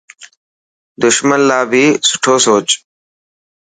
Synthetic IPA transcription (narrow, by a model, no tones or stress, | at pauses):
d̪ʊʃmənlaːbʱiːsʊ̥ʈʰoːsoːt͡ʃ